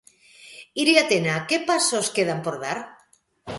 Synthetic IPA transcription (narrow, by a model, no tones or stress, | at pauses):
iɾiat̪enakepasoskeð̞ampoɾðaɾ